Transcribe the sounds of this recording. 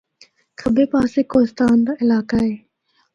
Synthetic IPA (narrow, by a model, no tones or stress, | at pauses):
kʰəbeːpaːseːkoːɪst̪aːnd̪aːʔɪlaːkaɦeː